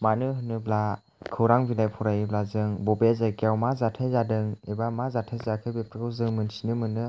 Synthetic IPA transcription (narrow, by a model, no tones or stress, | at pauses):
manɯɦɯnːɯbla | kʰɯwɾaŋbilajpʰɔɾajɯblazɯŋbɔbezakiawmazatʰajzadɯŋebamazatʰajzakʰɯbep̚ʰɾɯɡɯwzɯŋmɯnsinɯmɯnɯ